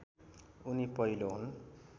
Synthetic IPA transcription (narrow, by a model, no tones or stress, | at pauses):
unipʌjloɦun